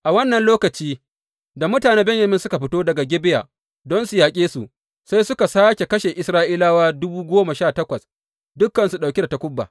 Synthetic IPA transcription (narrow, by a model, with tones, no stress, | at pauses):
ʔa˨wɐ˦nːɐ˨nloː˦kɐ˨t͡ʃiː˦ | da˨mʊ˦taː˨neː˦bɛ˦jɐ˨mɪ˦nsʊ˦ka˨ɸɪ˦toː˦dɐ˨ɡa˨ɡʲɪ˦bɪ˦ja̰ː˨ | dɔ˦nsu˨jaː˨kʲʼeː˦su˨ʔ | sa˦jsʊ˦ka˨saː˦kʲe˨kɐ˦ʃe˨ʔɪ˨sɾaː˦ʔiː˦laː˦waː˦dʊ˦buː˦ɡʷoː˦ma˨ʃaː˦˨tɐ˦kʷɐ˨s | dʊ˦kːɐ˨nsu˨ɗa˨kʲe˦da˨ta˦kʷʊ˦bːa̰ː˨